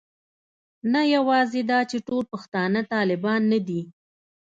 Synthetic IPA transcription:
najawɑzed̪ɑt͡ʃeʈolpəxt̪ɑnət̪ɑlɪbɑnːad̪i

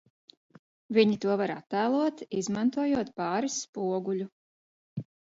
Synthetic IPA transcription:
viɲit̪uɔvaɾa̰t̪ːæːlˠuɔt̪izmant̪uɔjuɔt̪pɑːɾisːpuɔɡulʲu

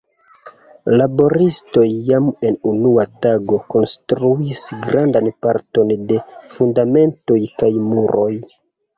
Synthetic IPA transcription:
labo̞ɾisto̞jːame̞nunuataɡo̞ko̞nstɾuisɡɾandanpaɾto̞nde̞fundame̞nto̞jkajmuɾʔo̞j

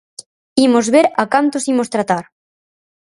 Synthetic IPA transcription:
imozβeɾakant̪osimost̪ɾat̪aɾ

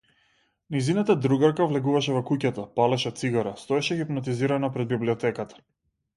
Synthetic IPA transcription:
nijzinat̪ad̪ɾuɡaɾkavlɛɡuvaʃɛvɔkucat̪apalɛʃɛt̪siɡaɾast̪ɔɛʃɛxipnat̪̬iziɾanapɾɛd̪̚bibliɔt̪ɛkat̪ḁ

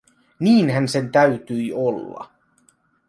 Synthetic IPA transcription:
niːnhænse̞nt̪æɥt̪yjolːɑ̰

